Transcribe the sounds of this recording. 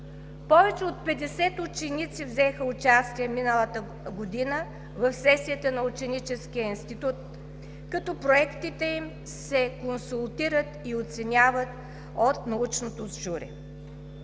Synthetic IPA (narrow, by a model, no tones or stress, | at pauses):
pɔvɛt͡ʃɛot̪̚pɛd̪ɛsɛt̪ʊt͡ʃɛnit̪sivzɛxəʊt͡ʃast̪iɛminəlˠət̪ə | ɡod̪inə | vɐfsɛsiət̪ənɐʊt͡ʃɛnit͡ʃɛskijəinst̪it̪ut̪̚ | kɐt̪ɔpɾoɛkt̪it̪ɛim | sɛkonsulˠt̪iɾət̪iot̪sɛnʲavət̪ | ot̪nɐut͡ʃnot̪ozʒuɾɛ̰